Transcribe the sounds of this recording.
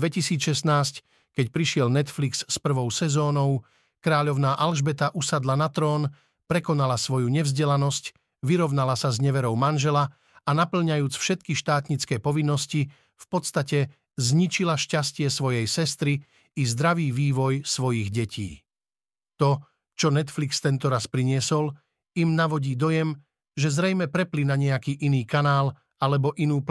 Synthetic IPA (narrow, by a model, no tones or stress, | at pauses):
ʋɛcisiːt͡sʃɛst̪naːsc | kɛcpɾiʃɪɛlnɛt̪fliksːpr̩ʋɔʊsɛzɔːnɔʊ | kɾaːʎɔʊnaːʔalʒbɛt̪aʔusad̪lanat̪ɾɔːn | pɾɛkɔnalasʋɔjuɲɛvzɟɛlanɔsc | ʋiɾɔʊnalasazɲɛʋɛɾɔʊmanʒɛla | anapl̩ɲajuːt͡sfʃɛt̪kiʃt̪aːt̪ɲit͡skɛːpɔʋinːɔsci | fpɔt̪st̪acɛ | zɲit͡ʃilaʃcascɪɛsʋɔjɛjsɛst̪ɾiː | zd̪ɾaʋiːʋiːʋɔjsʋɔjiɣɟɛcḭː | t̪ɔ | t͡ʃɔnɛt̪flikst̪ɛnt̪ɔɾaspɾiɲɪɛsɔl | imnaʋɔɟiːd̪ɔjɛm | ʒɛzɾɛjmɛpɾɛplinaɲɛakiːʔiniːkanaːl | alɛbɔʔinuːp